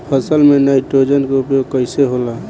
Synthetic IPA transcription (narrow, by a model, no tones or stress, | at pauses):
pʰəsəlmenaɪʈɾod͡ʒənkeupjoɡ̚kəɪseɦola